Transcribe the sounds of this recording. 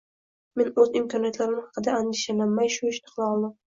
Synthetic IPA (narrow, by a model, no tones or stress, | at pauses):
me̞nɵzɪmkʰɒnijat̪laɾɪmɪhɑqʰɨd̪aand̪ɪʃanamːajʃʊɪʃnɪqʰlˠaɒlˠd̪ɪm